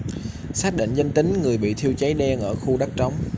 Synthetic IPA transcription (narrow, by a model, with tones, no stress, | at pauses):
saː˦˥t̚ɗḭ˧˨ŋzə˧nt̪ï˨˦ŋ̟ŋɨ˨˩əjɓḭ˧˨t̪ʰi˧əwt͡ɕə˨˦jɗɛ˧ŋʔəː˧˩xu˧ɗa˦˥k̚t͡ɕa˨˦wŋ͡m